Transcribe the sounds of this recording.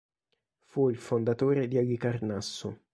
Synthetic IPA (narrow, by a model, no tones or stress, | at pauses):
fuilfond̪at̪oːɾed̪iaʎikarnasːo